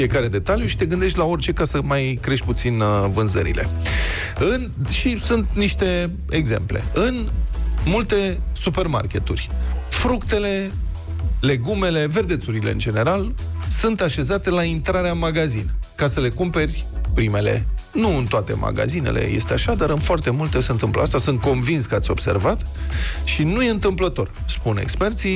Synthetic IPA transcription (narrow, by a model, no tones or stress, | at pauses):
iekaɾe̞d̪e̞t̪aljuʃi̥t̪e̞ɡɨnd̪e̞ʃt̪ʲlao̞rt͡ʃe̞kasəmajkɾe̞ʃt̪̚ʲput̪sinvɨnzə̰ɾḭle̞̰ | ɨnʃisunt̪niʃt̪e̞ | eɡze̞̰mple̞̰ɨnmult̪e̞supe̞rma̰rkʲe̞t̪urʲfɾukt̪e̞le̞ | le̞ɡume̞le̞ve̞rd̪e̞t̪suɾile̞ɨ̰nd͡ʒe̞ne̞ɾalsɨnt̪aʃe̞zat̪e̞laint̪ɾaɾeamaɡazinkasəle̞kumpe̞rʲpɾime̞le̞̰nuɨnt̪oat̪e̞̰mʔa̰ɡa̰zine̞̰lʔe̞̰je̞̰st̪e̞a̰ʃad̪aɾɨnfoart̪e̞mult̪e̞se̞ɨnt̪ɨmplə̰ast̪asɨnt̪̚ko̞nvinskəat̪sʲo̞̰b̥se̞̰rvat̪ʃinujeɨnt̪ɨmplət̪o̞r | spunḛkspe̞rt̪si